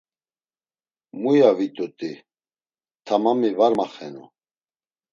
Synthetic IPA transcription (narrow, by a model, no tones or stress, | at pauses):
mujavit̪ʼut̪ʼi | t̪ʰamamivaɾmaχɛnṵ